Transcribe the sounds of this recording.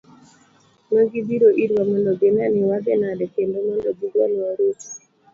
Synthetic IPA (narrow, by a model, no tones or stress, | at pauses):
maɡibiɾoʔidwamɔndɔɡenanɪwaɡɛnadɛkendomɔndɔɡiɾwanɪwaɾoti̥